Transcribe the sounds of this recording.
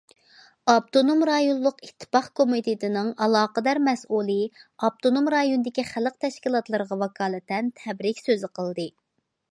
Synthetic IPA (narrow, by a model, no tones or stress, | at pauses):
ɑp̚t̪onomɾɑjonlˠʊqit̪ʰːɨ̥pɑχkʰomit̪ʰɪt̪ʰɪnɨŋɑlˠɑːqəd̪ɑɾmɛsʔulˠɨɑb̚t̪ʰonomɾɑjonɨd̪ɪkʲiχæləq̚t̪ʰɛʃkʲilˠɑt̪lˠɨɾʁɑwɑkʰɑːlˠɛt̪ɛnt̪ʰɛbɾɪkʲsøzɪqʰəlˠd̪ɨ